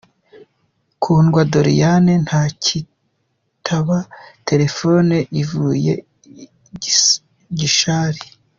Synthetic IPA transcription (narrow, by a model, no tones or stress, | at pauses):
kʰuːnɡwadoɾḭjanen̥haːcʰi | tʰaβate̞ɾe̞foneʔivujḛ | ɟiʃaːɾi